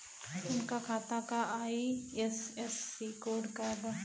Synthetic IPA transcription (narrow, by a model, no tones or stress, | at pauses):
ʊnkakʰaːt̪akaaːiɛsɛsːikoːɖkab̪a